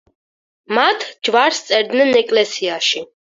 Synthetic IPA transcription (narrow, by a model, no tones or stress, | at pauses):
mat̪ʰd͡ʒvaɾst̪sʼɛɾd̪nɛnɛkʼlɛsiaʃi